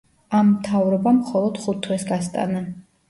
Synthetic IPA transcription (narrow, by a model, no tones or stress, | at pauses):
amːt̪ʰavɾɔbamχɔlˠɔd̪̥χut̪ʰːwɛsɡast̪ʼa̰na